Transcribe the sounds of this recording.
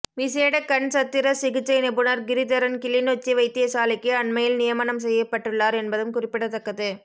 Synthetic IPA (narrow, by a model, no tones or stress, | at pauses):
ʋɪseːɽɐkːɐɳsɐt̪ːɪɾɐsɪɣɪt͡ʃːɐɪnɪbɯnɐɾɡɪɾɪt̪ɐɾɐnkɪlɪnot͡ʃːɪʋɐɪt̪ːɪjɐsaːlɪkːɯɐɳmɐjɪlnɪjɐmanɐms̬ɛjːɐpːɐʈːɯɭːaːɾɛnbɐðɯmkʊrɪpːɪɽɐt̪ːɐkːɐðɯ